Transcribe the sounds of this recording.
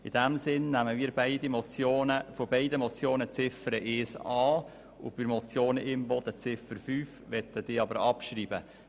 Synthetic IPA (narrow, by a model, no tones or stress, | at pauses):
ɪd̥æmsɪnnæməmiːɾbæɪdimɔt͡sjoːnəfɔbɛɪdəmɔt͡sjoːnət͡sɪfəɾəʔeːsɑː | ʊ̰b̥ɪɾmɔt͡sjoːnəʔɪmbɔd̪ət͡sɪfəɾfyːfʋɛt̪əd̥ɪːɑbəɾɑpʃɾiːbə